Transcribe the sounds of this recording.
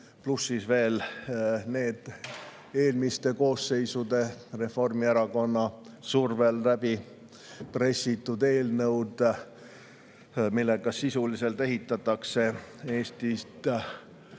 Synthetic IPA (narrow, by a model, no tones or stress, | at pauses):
plusːisve̞ːl | ne̞ːd̪̥ | e̞ːlmist̪e̞ko̞ːsːe̞jsud̪̥e̞re̞fo̞rmieɾɑko̞nːɑsurve̞lræb̥i | pre̞sit̪ːˑud̪e̞ːlnɤwd̪̥ | milːe̞ɡɑsisulise̞lt̪e̞ɦit̪ːˑɑt̪ːˑɑkse̞e̞ːst̪ist̪